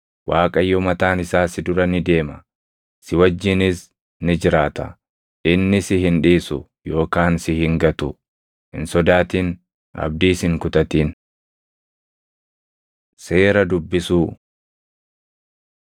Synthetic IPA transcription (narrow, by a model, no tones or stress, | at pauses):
waːkʼɐjːɔmɐt̪aːnɪsaːsɪd̪ʊɾɐnɪd̪e̞ːmɐ | sɪwɐd͡ʒːɪnɪs | nɪd͡ʒɪɾaːt̪ɐ | ʔɪnːɪsɪhɪnᶑiːsʊ | jo̞ːkaːnsɪhɪŋɡɐt̪ʊ | hɪ̰nsɔd̪aːt̪iːn | ɐ̰b̚d̪iːshɪŋkʊt̪ʼɐt̪iːn | se̞ːɾɐd̪ʊbːɪsuː